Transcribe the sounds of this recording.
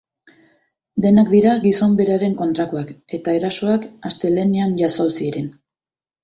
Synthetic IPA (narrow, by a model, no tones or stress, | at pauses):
d̪e̞nakd̪iɾaɡiso̞mbe̞ɾaɾe̞ŋko̞nt̪ɾakoake̞t̪ae̞ɾaso̞akast̪e̞lenianʝasawsiɾen